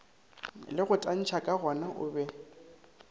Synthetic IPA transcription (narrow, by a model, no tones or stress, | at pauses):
lɪɣʊtʼan̩t͡ʃʰakʼaɣɔnaʔʊ̰ːbɛ